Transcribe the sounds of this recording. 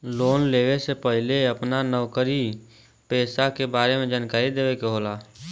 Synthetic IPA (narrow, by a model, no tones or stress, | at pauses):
loːnleːwesepəɦɪleəpnanəʋkəɾi | pɛːsakebaːɾemẽd͡ʒaːnkaːɾid̪eːwekeɦoːlaː